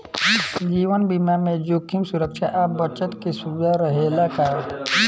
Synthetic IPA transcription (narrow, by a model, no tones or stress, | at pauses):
d͡ʒiːwənbimamẽd͡ʒokʰːimsuɾəkʃaʔabət͡ʃət̪kisubd̪aɾəɦelakaː